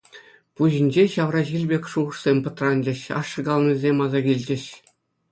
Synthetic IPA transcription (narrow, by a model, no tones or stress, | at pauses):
puʑĭnʲd͡ʑeɕɑʋrɑʑilʲbʲekʲʂuʁɤ̆ʂsʲemʲpɤ̆t̪rɑnʲd͡ʑɘ̆ɕɑ̰ʂːɤ̆ɡɑlˠnʲizʲemʲɑzɑɡʲilʲd͡ʑɘ̆ɕ